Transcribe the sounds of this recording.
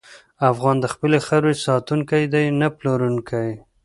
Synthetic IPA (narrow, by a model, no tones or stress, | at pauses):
afɣɑnd̪əxpəlexaɾwesɑt̪uŋkajd̪ajnaploɾuŋkʰaj